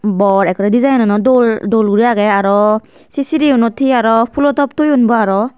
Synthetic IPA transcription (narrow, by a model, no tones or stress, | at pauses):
bɔɹɛkɔɹɛdizajnɔnɔdɔldolɡuɹiaɡɛaɾɔ | sisiɾiunɔtʰiaɾɔpʰulɔtɔp̚tojunbɔaɹɔ